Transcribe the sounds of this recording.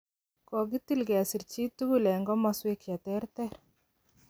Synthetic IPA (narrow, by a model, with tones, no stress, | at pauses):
kɔ˨ɡɪ˦t̪i˦˨lɡɛ˨a˨si˨ɾt͡ʃi˦t̪ːu˦ɡu˦lɛ˨ŋɡɔ˦ma˨swe˦kja˨t̪ɛ˦ɾt̪ɛ˦ɾ